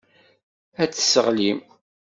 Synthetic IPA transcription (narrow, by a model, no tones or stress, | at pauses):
æt͡sːə̥səʁlim